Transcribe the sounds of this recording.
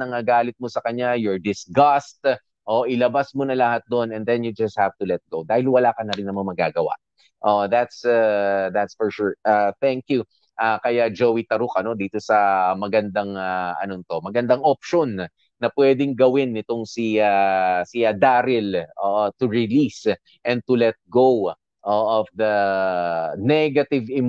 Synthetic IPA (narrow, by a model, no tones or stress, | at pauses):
nɐŋaɡaːlɪt̪̚mosɐkɐɲːajɔɹd̪ɪsɡɐst̪̚ | ʔoʔɪlɐbasmonɐlɐhat̪̚d̪onɛnd̪ɛnjud͡ʒɐst̪̚havt̪ulɛt̪̚ɡowd̪aːhɪlwɐlaːkɐnɐɾɪnːɐmɐŋmɐɡaːɡɐwa̰ | ʔoðat̪saðat̪sfɔɹʃʊɹaθɛŋkju | ʔakɐjad͡ʒowit̪ɐɾʊkɐno̞d̪iːt̪o̞sɐmɐɡɐnd̪aŋaʔɐ̰nont̪o̞mɐɡɐnd̪aŋʔop̚ʃonː | ɐpwɛːd̪ɪŋɡɐwɪnːɪt̪o̞ŋsiasiɐd̪aːɾɪlʔoʔot̪ʊɹɪlis | ʔɛ̃n̚t̪ʊlɛt̪̚ɡow | ʔoʔɔfd̪ɐ | nɛɡɐt̪ɪvɪm